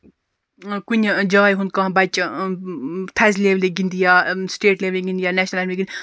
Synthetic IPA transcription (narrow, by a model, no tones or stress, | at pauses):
kuɲʲd͡ʒɐɣajɦund̪̚kãbat͡ʃ | t̪ʰazleʋliɡind̪ijaːsʈeːʈleːʋliɡind̪ijaːnɛʃnɐlaɾmiɡind̪